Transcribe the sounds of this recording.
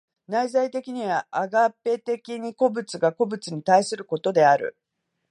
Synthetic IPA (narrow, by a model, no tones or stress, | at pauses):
naizait̪e̞kʲiɲ̟iβaaɡapːe̞t̪e̞kʲiɲ̟iko̞bɯ̟t͡sɨɡako̞bɯ̟t͡sɨɲ̟it̪aisɨɾɯ̟ko̞t̪o̞d̪e̞aɾɯ̰